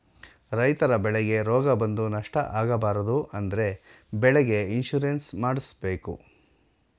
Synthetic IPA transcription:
ɾɐjt̪ɐɾɐbɛɭɛɡe̞ɾɔːɡɐbɐnd̪unɐʂʈɐ̰ʔaːɡɐbaːɾɐd̪uʔɐnd̪ɐɾe̞ | bɛɭɛɡe̞inʃuɾensmaːɽisbe̞ːkṵ

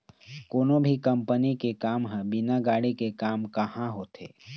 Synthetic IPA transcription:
koːnõbʱikɐmpənikekaːmɦɛ̃bɪnaɡaːɽikekaːmkɐhãɦoːt̪ʰḛː

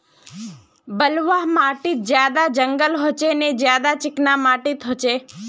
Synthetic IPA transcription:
bəlʋaɦmaːʈit̪̚d͡ʒjaːd̪ad͡ʒəŋɡəlɦot͡ʃened͡ʒjaːd̪at͡ʃɪknamaːʈit̪ɦot͡ʃe

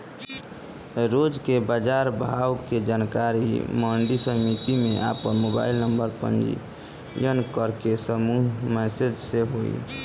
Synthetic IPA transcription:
ɾod͡ʒkebad͡ʒaɾbʱawked͡ʒankaɾiməɳɖisəmit̪imeʔa̰pənmoba̰ilnəmbəɾpə̰nd͡ʒḭ | jənkəɾkesəmuɦmɛsed͡ʒseɦoḭ

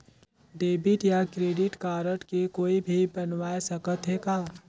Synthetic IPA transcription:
ɖeːbɪʈjakɾeːɖɪʈkaːɾəʈkekoːibʱibɐnʋaːjsɐkət̪ɦekaː

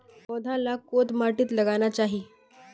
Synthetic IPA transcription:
ɔd̪ʱãlakot̪maʈiːt̪ləɡanat͡ɕaɦiː

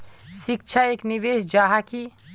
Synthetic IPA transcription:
ʃɪk̚t͡ʃʰaeːkniʋeːsd͡ʒaːɦaki

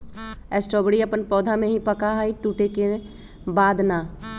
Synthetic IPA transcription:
ɛːsʈoːbɽiɐpənpɔːd̪ʱamẽɦipɐkaɦaiʈuːʈeke | baːd̪naː

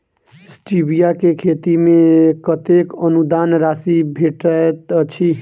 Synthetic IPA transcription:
sʈibijakekʰet̪imẽkət̪ekənud̪anɾaːsibʱeʈəet̪ət͡ʃʰi

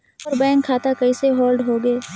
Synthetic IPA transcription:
ɔːɾbɛ̃ːŋkʰːaːt̪akɐiseɦoːlɖɦoːɡeː

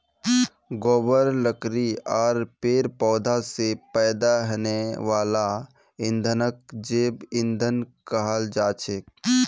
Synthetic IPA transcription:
ɡoːbəɾləkɾiaːɾpeːɾpɔːd̪ʱasepɛːd̪aɦəneʋaːla | ɪ̃nd̪ʱənək̚d͡ʒeːbɪ̃nd̪ʱənkəɦəld͡ʒaːt͡ʃʰeːk

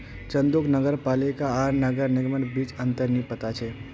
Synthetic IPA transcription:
t͡ʃə̃nd̪ʊknəɡəɾpaːlɪkaaːɾnəɡəɾnɪɡmənbiːt͡ʃə̃nt̪əɾnipət̪at͡ʃʰɛː

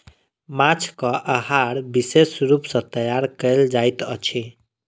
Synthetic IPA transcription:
mat͡ʃʰkəʔəɦaɾbisesɾupsʌ̃t̪əjaɾkəld͡ʒajt̪ə̰t͡ʃʰi

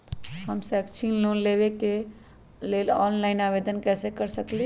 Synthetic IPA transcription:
həmsɛkt͡ʃʰinlonlebeke | leːlɔːnlaɪnaːʋeːd̪ənkɛːsekəɾsəkli

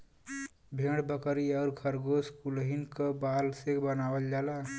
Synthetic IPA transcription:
bʱeːɽbəkəɾiɔːɾkʰəɾɡoskulɦinkəbaːlsebənaːwəld͡ʒaːla

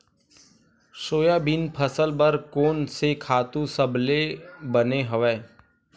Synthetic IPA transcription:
ʃoːjabɪnpʰəsəlbəɾkoːnsekʰaːt̪ũsəblebəneɦəʋɛː

